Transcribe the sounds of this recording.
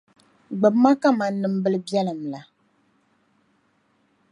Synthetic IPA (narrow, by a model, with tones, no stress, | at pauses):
ɡ͡bɨ˨bma˦ka˦ma˨n̩˦nːɨ˨m̩˦bɨ˦lɨ˦bjɛ˦lɨ˨m̩la˨